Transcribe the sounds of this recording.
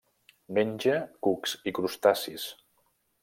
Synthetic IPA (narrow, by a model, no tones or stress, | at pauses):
menʲd͡ʒəkuksikɾust̪asis